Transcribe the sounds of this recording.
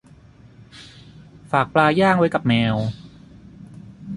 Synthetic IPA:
faː˨˩k̚plaː˧jaː˥˩ŋwa˦˥jka˨˩p̚mɛː˧w

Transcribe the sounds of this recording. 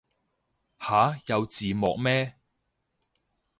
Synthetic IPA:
haː˨˥jɐ˨˧wt͡siː˨mɔ̰ː˨k̚mɛː˥

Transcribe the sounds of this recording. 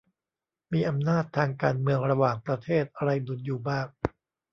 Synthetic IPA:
miː˧ʔa˧mnaː˥˩t̪ʰːaː˧ŋkaː˧nmɯ˧əŋɾa˧waː˨˩ŋpɾa˧t̪ʰeː˥˩t̪̚ʔa˧ɾa˧jdu˨˩˦njuː˨˩baː˥˩k̚

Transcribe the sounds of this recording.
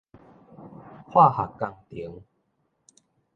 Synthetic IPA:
hwa˥˧˨ha˨˩kːa˧ŋt̪i˨˦ŋ

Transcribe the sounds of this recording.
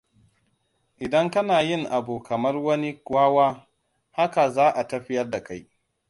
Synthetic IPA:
ʔɪ˨dɐ˦ŋkɐ˦naː˨jɪ˦˨ŋʔa˨buː˨kɐ˨mɐ˦rwɐ˦ni˦aː˦waː˦ | ha˦ka˨zaː˦ʔa˨tɐ˦ɸɪ˦jɐ˦rda˨ka˦j

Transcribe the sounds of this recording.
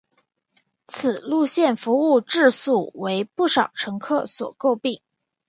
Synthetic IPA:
t͡s̩ʰ˨˩lu˥˧ɕjɛ˥˩nfu˧˥u˥˧ʈ͡ʂɻ̩˥˧su˥˩we˧˥ɪpu˥˩ʂɑ˨˩ʊʈ͡ʂʰɤ˧˥ŋkʰɤ˥˩swɔ̰˨˩ko˥˧ʊpi˥˩ŋ

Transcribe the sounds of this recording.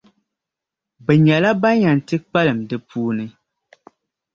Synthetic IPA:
bɛ˨ɲɛ˨la˦ba˦ɲa˨n˨tɨ˦k͡pa˦lɨ˨mdɨ˨pʰuː˦nɨ˦

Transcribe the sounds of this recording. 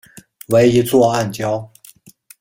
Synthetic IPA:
we˧˥ɪi˧˥t͡swɔ˥˧a˥˩nt͡ɕjɑ˥ʊ

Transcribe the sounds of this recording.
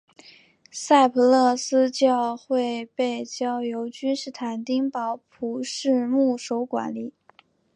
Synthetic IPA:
sa˥˩ɪpʰɤ˧˥lɤ˥˩sɹ̩˥t͡ɕjɑ˥˧ʊxwe˥˧ɪpe˥˩ɪt͡ɕjɑ˥ʊjo˧˥ʊt͡ɕy˥nʂɻ̩˥˩t̪ʰa˧˩˥nt̪i˥ŋpɑ˧˥ʊpʰu˧˥ʂɻ̩˥˧mu˥˩ʂo˧˥ʊkwa̰˧˥nli˨˩˦

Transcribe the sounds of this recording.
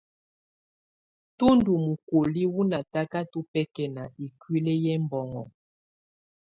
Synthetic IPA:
tu˦ndu˨mu˨ko˨li˦wu˦na˨ta˦ka˦tu˦pɛ˦kɛ˨na˨i˨kwi˦le˦jɛ˦m˦bɔ˨ŋɔ̰˨

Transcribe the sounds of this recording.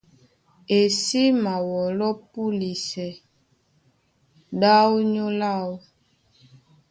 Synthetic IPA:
e˨si˦ma˨wɔ˨lɔ˦pu˦li˨sɛ˨ | da˦wu˦ɲo˦la˦˨wu˦

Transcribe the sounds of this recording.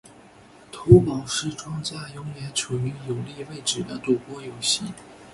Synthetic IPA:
t̪ʰu˧˥pɑ˨˩ʊʂɻ̩˥˩ʈ͡ʂwɑ˥ŋt͡ɕja˥˩jʊ˧˥ŋjɛ˧˥nʈ͡ʂʰu˨˩y˧˥jʊ˨˩ʊli˥˧we˥˩ɪʈ͡ʂɻ̩˨˩d̪ə˦t̪u˨˩pwɔ˥jo˨˩ʊɕi˥˩

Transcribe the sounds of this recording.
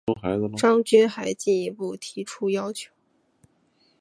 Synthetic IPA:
o˥xa˧˥ɪd͡zə˧ʈ͡ʂɑ˥ŋt͡ɕy˥nxa˧˥ɪt͡ɕi˥˩ni˧˥pu˥˩t̪ʰi˧˥ʈ͡ʂʰu˥jɑ˥ʊt͡ɕʰjo˧˩˦ʊ

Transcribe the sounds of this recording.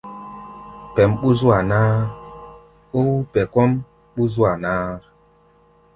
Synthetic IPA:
pɛ˨mɓu˦zu˦a˨naː˦ | o˦wu˦pɛ˨kɔ˦m | ɓu˦z̬u˦a˨naː˦

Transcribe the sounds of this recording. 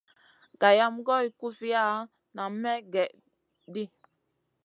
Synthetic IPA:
ɡ̥a˨ja˦mɡɔ˦i˨ku˦fi˦ja˦˨ | na˨mɛ˦ɡɛ˨ʔ | di˦

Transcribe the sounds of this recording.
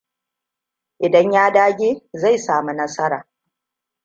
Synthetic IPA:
ʔɪ˨dɐ˦ɲjaː˦daː˦ɡʲeː˦za˦˨jsaː˨mu˦nɐ˦sɐ˦ɾaː˨

